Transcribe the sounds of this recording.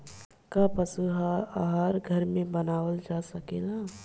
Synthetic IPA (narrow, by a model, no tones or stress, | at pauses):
kapɐsuɦaaːɦaːɾɡʱɐɾmẽbɐnaːwəld͡ʒaːsɐkeːɡaː